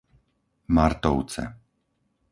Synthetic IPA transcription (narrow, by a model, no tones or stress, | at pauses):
maɾt̪ɔʊt͡sɛ̰